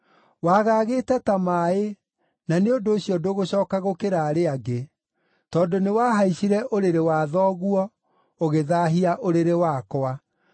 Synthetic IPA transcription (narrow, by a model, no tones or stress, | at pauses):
waːɣaːɣeːtɛtamaːe | naneondoːɕijɔdoɣoɕɔːkaɣokeɾaɾeaɡe | tɔːndonewaːɦaiɕiɾɛʔoɾeɾewaːðɔɣuɔ | oɣeðaːɦiaʔoɾeɾewaːkɔa